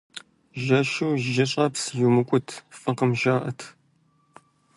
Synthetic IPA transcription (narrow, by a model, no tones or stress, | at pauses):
ʒɐʃuwʒɪɕʼɐpsjumɨkʷʼʊtʰfɐqəmʒaːʔɐtʰ